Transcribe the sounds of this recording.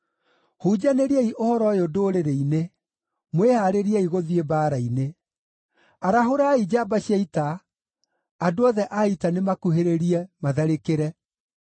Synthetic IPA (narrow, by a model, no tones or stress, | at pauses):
hud͡ʑaneɾiɛiʔohɔɾɔjeodoːɾeɾeine | mwehaɾeɾiɛiɣoðiebaːɾaine | aɾaɦoɾaːid͡ʑabaɕiaita | adoɔðɛʔaitanemakuheɾeɾiɛmaðɛɾekeɾɛ